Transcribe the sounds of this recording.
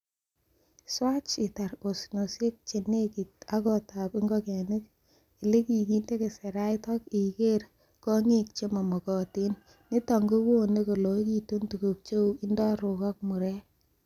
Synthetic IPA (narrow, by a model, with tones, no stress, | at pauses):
swa˦t͡ʃɪ˨ta˨ɾo˨sno˨sje˦k̚t͡ʃe˨ne˦ki˨ta˦kɔ˦ta˨pɪ˦ŋɡɔ˦kɛ˨nɪ˦k | i˨le˦ki˨ki˦nde˦ke˨se˨ɾa˦itɔ˦ki˨ke˦ɾ | kɔ˦ŋi˦k̚t͡ʃe˦mo˨mo˨kɔ˨ti˦nː | ɪ˦tɔ˨ŋɡo˦kwo˦˨ne˦ko˨lo˨˦ki˨tu˦ntu˨ko˨k̚t͡ʃo˦i˦ndɔ˦ɾʊ˨ka˦k̚mu˨ɾɛ˦